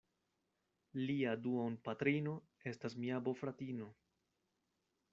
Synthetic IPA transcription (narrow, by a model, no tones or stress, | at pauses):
liaduonpatɾino̞ | e̞stasmiabo̞fɾatino̞